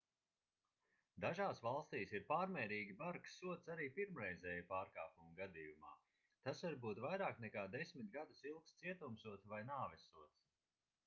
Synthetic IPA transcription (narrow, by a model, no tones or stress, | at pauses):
d̪aʒaːsvalˠst̪iːsiɾpaːɾmʲɛːɾiːɡʲibaɾkssuɔt̪saɾiːpiɾmɾɛjzɛːjpaːɾkaːpumɡad̪iːjuma̰ː | t̪asvaɾbuːt̪vajɾaːknɛkaːd̪esʲmit̪̚ɡad̪usilˠkst̪siɛt̪umsuɔt̪svajnaːvɛsuɔt̪s